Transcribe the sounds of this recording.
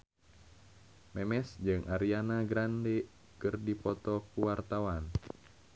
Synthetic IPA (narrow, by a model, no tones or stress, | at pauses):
mɛmɛsd͡ʒɨŋʔaɾianaɡɾandɛ | kɨrdipɔt̪ɔkuwart̪awan